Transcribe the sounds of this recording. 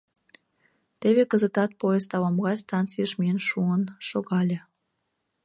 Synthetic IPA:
t̪eβekəzət̪ɑt̪̚pojest̪ɑβɑmɣɑst̪ɑnt͡sijəʃmiənʃuənʃoɣɑlʲe

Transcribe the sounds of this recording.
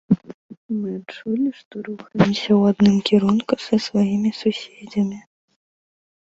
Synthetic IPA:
mɨat͡ʂulʲiʂt̪ɔɾuxɐjɛmsʲɐwad̪nɨmkʲiɾunkusɐsvajimʲisusʲed͡zʲɐmʲi

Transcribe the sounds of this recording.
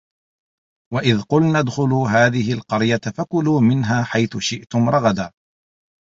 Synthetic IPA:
waʔɪðqʊlnad̪xʊluːɦaːðɪɦɪlqɑɾjat̪fakʊluːmɪnɦaːħajθʊʃɪʔt̪ʊmɾˤɑɣɑd̪aː

